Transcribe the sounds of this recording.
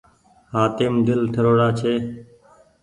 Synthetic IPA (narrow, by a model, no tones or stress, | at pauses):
haːt̪ɪmd̪ɪlʈʰəɾoːɽaːt͡ʃʰeː